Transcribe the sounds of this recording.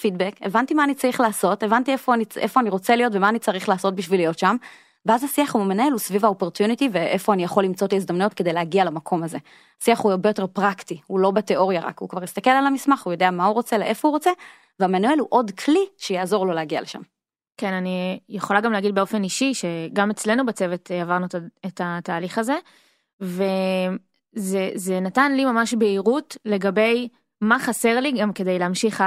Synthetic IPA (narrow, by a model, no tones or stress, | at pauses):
fidbeke̞̰vantimaːnit͡saʁiχlaːso̞te̞vantiefoaniʔefoaniʁo̞t͡selijo̞tvemaːnit͡saʁiχlaːso̞t̚biʃvilijo̞tʃam | veazhasiaχuamenelusvivaopo̞ʁt̪junit̪ive̞ʔefoanijaχo̞limt͡so̞taizd̪amnujotke̞de̞jleaɡialamakʰo̞maze̞ | asiaχuaʁbeo̞te̞ʁpʁaktihulo̞bete̞ʔo̞ʁjaʁa̰khukvaʁjist̪akelalamismaχujo̞deamauʁot͡se̞leʔe̞fo̞huʁot͡se̞ | veamanue̞luʔo̞d̪kʰliʃejaːzo̞ʁlo̞leaɡia̰leʃa̰m | kenanijeχo̞laɡamleaɡid̪beo̞fe̞niʃiʃe̞ɡame̞t͡sle̞nubet͡se̞ve̞teavaʁnutaetʰataːliχaze̞ | ve | zezenatanlimamaʃbeiʁutle̞ɡabe̞j | maχase̞ʁliɡamke̞d̪e̞jleamʃiχa